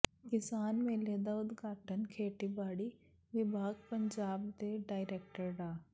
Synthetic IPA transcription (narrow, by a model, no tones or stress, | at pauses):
kɪsaːnmẽleːd̪aʊd̪ɡaːʈənkʰeːʈibaːɽi | ʋɪbʱaːɡpəɲd͡ʒaːbd̪eɖaːɪɾeːkʈəɾɖaː